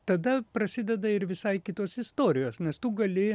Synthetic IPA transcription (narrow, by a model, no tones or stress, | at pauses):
t̪ɐd̪ɐpɾɐsʲɪd̪ʲɛd̪ɐɪɾʋʲɪsɐɪkʲɪt̪oːsɪst̪oːɾʲɪjoːsnʲɛst̪uːɡɐlʲɪ